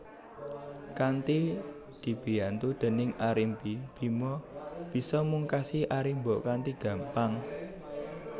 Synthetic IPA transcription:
kant̪i | d̪̥i̤b̥i̤jant̪ud̪̥ə̤nɪŋaɾimpib̥i̤mɔb̥i̤sɔmuŋkasiʔaɾimbɔkant̪iɡ̥ä̤mpaŋ

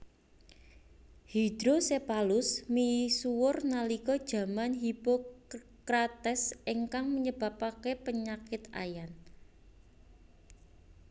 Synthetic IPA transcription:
hid̪̥ɾosepalʊsmisuwʊrnalikɔd̥ʒ̥ä̤manɦipo | kɾat̪ɛsʔiŋkaŋməɲəb̥a̤pakepəɲakɪt̪a̰jan

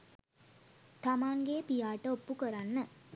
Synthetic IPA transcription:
t̪amaːŋɡepijaːʈəopːukəɾanːə

